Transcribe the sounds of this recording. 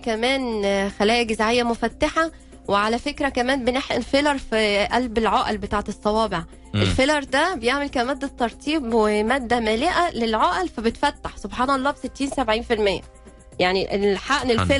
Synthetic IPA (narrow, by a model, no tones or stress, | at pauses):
kæmæːnxælæːjæɡezʕejːæmofæt̪ːaħa | weʕalæfekɾækæmæːnbeneħʔenfelɑɾˤfiʔælbelʕoːʔælbet̪aːʕet̪esˤːɑwɑːbeʕ | ʔelfelɑɾˤd̪æbejeʕmelkæmæːd̪ːæt̪ːɑɾˤt̪ʰˤiːbwemæːd̪ːæmæːleʔælelʕoːʔælfæbet̪fæt̪ːaħsobħɑːnɑlˤːɑːbeset̪ːiːnsæbʕiːnfilmejːæ̰ | jaʕniʔeħaʔnelfe